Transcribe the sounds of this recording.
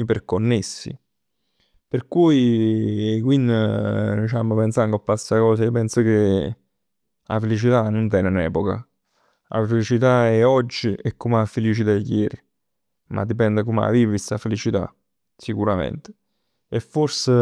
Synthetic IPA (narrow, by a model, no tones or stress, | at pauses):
perkonːesːḭ | perkuj | kwinːd̪it͡ʃamopensanɡ̪oapːasːakɔːs̬aiopɛnsok̟e | a̰felit͡ʃit̪anont̪ɛːnenɛ̰ːpoka̰ | a̰felit͡ʃit̪aɛɔd͡ʒːiɛkːomafelit͡ʃit̪ajːɛːɾi | mʔa̰d̪ːipɛnd̪ekoma̰viːvist̪afelit͡ʃit̪a̰ | sikuɾamḛnt̪e̥ | efːorse